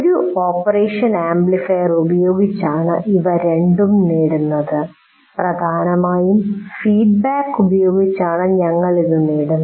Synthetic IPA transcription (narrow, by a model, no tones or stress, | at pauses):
oɾuo̞ːpːɐreːʂɐnaːmblifejɐrubɐjo̞ːɡit͡ɕːaːɳɨ̰ʔiʋɐɾe̞ɳɖumniːɽunːɐðɨ | prɐd̪ʱaːnɐmaːjumfiːɖbaːkːubɐjo̞ːɡit͡ɕːaːɳɨɲɐŋːɐɭiðuniːɽunːɐ